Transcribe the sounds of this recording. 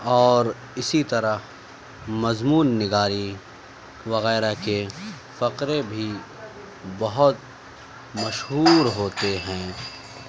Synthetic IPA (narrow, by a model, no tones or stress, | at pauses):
ɔːɾ | ɪsit̪ɐɾə | mɐzmuːnːɪɡaːɾi | ʋɐɣɛːɾake | fɐqɾebʱi | bɐɦʊt̪̚ | mɐʃɦuːɾɦoːt̪eɦɛ̃ː